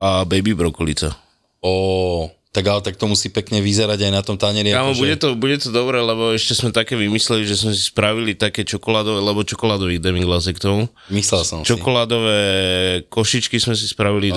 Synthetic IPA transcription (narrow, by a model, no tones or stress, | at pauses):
abɛbibɾɔkɔlit͡sa̰ | ɔː | t̪aɡaɦɔt̪ak̚t̪ɔmusiːpɛkɲɛʋizɛɾaɟajnat̪ɔmt̪aɲɛɾiakanɔbuɟɛt̪ɔbuɟɛt̪ɔd̪ɔbɾɛlɛbɔɛʃcɛzmɛt̪akɛːʋimislɛliʒɛsmɛsispɾaʋilit̪akɛːt͡ʃɔkɔlaːd̪ɔʋɛlɛbɔt͡ʃɔkɔlaːd̪ɔʋiːɣd̪ɛmiŋɡlas̬ɛkt̪ɔʊ | mislɛlsɔt͡ʃɔkɔlaːd̪ɔʋɛːkɔʃit͡ʃkizmɛs̬ispɾaʋili